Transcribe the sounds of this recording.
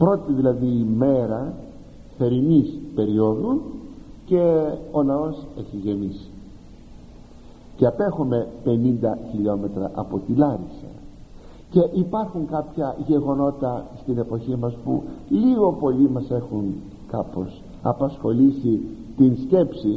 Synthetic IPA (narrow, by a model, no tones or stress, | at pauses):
pɾo̞t̪iðilɐðiːme̞ɾɐ | θe̞ɾinispe̞ɾio̞ðunce̞o̞nɐo̞se̞çiʝe̞misi̥ | ceɐpe̞xome̞pe̞nind̪ɐçiʎo̞me̞t̪ɾɐʔɐpo̞t̪ilɐɾisɐ̰ | ce̞ʔipɐɾxuŋkɐpçɐʝe̞ɣo̞no̞t̪ɐst̪ine̞po̞çimɐspṵliɣo̞po̞limɐse̞xun | kɐpo̞s | ɐ̰pɐsxo̞lisit̪insce̞psi